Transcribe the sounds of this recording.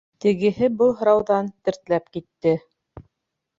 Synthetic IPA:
t̪ɘ̆ɡɘ̆ɦɘbɤlˠɦɤ̆ɾɑwðɑnt̪ɘ̆ɾt̪læpkit̪ːɘ

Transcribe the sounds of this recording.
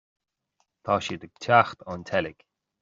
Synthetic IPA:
t̪ʰɑːʃiːd̪əɡ̥̚tʰaxt̪ʰant̪ʰɛlɪɡ̥

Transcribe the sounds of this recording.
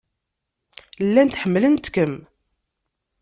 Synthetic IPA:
lːænt̪ħəmːələnt̪kəm

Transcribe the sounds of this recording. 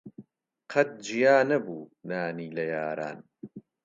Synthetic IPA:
qʰɐt̪̚d͡ʒijaːnɐbuːnaːniːlɐjaːɾa̰ːn

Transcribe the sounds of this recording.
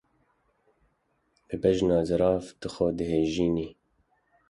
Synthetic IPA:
bɨbɛʒnɑːzɨɾɑːft̪ɨxod̪ɨheːʒiːniː

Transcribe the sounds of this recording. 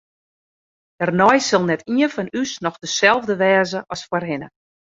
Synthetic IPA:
dərnɔjsɪlˠnɛtiənfɔnysnɔxdəsɛlˠvdəʋɛːzəʔɔsfwərɦɪnə

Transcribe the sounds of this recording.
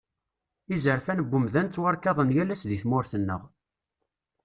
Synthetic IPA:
izəɾfænəbːʊmðænt͡s̪ːwɑɾkɑðˤənjælæsðiθmʊɾθənːəʁ

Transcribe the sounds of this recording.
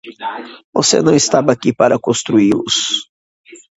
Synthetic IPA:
vosḛnɐ̃w̃ist̪abɐakipaɾɐkõst̪ɾuilʊ̰s

